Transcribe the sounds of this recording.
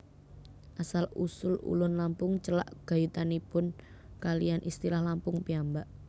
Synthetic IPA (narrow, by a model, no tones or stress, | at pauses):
ʔasalusʊlṵlʊnlampʊŋt͡ʃəla̰ʔɡ̥a̤jut̪anipʊn | kalijanʔist̪ilahlampʊŋpiambaʔ